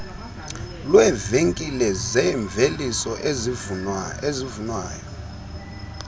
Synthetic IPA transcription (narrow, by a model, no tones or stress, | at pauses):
lwɛveŋkʼilɛzɛɱb̪vʱelisɔʔezivuezivunwaːjɔ